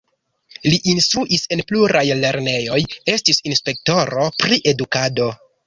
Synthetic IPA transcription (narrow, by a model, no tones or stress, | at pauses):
liʔinstɾuʔise̞npluɾajle̞ɾne̞jo̞je̞stisinspe̞k̚to̞ɾo̞pɾiʔe̞dukado̞